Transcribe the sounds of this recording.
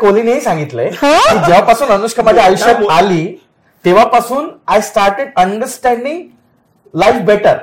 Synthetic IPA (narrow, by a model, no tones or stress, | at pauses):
kolineɦisãŋɡit̪lekiːd͡ʑeʋ̤apasuːnənuɕkʰəmajaajuɕəɾaliː | t̪eʋ̤apasuːnajsʈaɾʈeɖəɳɖəɾsʈɛ̃ɳɖĩŋɡ | lajfbeʈəɾ